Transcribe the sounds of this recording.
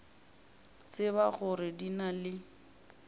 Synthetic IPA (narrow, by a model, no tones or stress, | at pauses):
t͡sɪbaɣʊrɪdinalɪ